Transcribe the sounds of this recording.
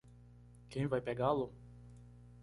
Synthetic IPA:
kẽj̃vajpeɡalʊ

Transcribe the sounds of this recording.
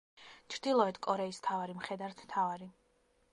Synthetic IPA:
t͡ʃʰɾd̪̥ilˠɔɛt̪ʰkʼɔɾɛist̪ʰavaɾimχɛd̪aɾt̪ʰmt̪ʰavaɾi

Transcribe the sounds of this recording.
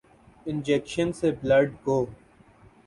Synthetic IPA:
ɪ̃nd͡ʒɛkʃə̃nseblɐɖɡoː

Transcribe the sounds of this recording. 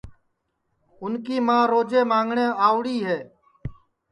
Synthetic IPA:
ʊnkiːmãːɾoːd͡ʒeːmãːŋɡɳẽːaːʋɽiːɦeː

